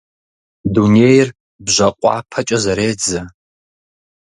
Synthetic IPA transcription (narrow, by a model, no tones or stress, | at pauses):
duneːjr | bʑʷɐqʷʼɑ̰ːpʰɐt͡ʃʼɐzɐɾeːd͡zɐ